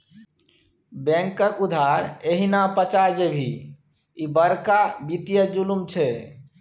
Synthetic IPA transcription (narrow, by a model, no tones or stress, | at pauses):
bɛ̃ŋkəɾud̪ʱaɾeɦinapət͡ʃaɾd͡ʒebʱi | ibəɾkabit̪ijəd͡ʒulumt͡ʃʰɛ